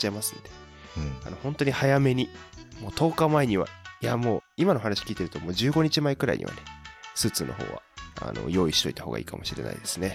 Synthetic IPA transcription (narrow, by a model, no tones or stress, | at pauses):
t͡ɕaemasɨnod̪e̞ | a̰no̞hõ̞nt̪o̞ɲ̟ihajame̞ɲ̟imo̞ːt̪ʰo̞ːkamaeɲ̟iβa̰jamo̞ːimanoɦanaɕi̥kʲiːt̪e̞ɾɯ̟t̪o̞mo̞ːd͡ʑɨːɡo̞ɲ̟it͡ɕimaikɯ̟ɾa̰ḭɲ̟ḭβa̰ne̞sɨːt͡sɨːnʔo̞ɦo̰ːβa̰a̰no̞̰jo̞ːiɕi̥t̪o̞̰it̪ḁho̞ːɡa̰ḭːkamo̞ɕiɾe̞na̰id̪e̞sɨne̞